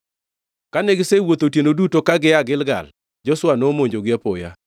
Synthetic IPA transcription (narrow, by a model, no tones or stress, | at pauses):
kanɛɡɪsewot̪otjenodutokaɡɪaɡɪlɡa̰l | d͡ʒɔswanomoɲd͡ʒoɡɪapo̰ja̰